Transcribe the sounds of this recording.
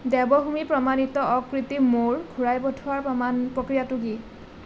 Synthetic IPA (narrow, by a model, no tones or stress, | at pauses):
dɛbɔɦumipɹɔmanitɔʔɔkɹitimoɹɡʱuɹajbɔtʰʊaɹpɔanpɹokɹijatuɡi